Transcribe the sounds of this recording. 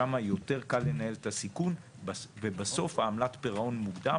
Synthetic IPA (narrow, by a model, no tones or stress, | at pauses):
amajo̞te̞ʁkalːe̞nahe̞let̪asikun | vebaso̞fhaːmlatpeʁao̞nmuɡda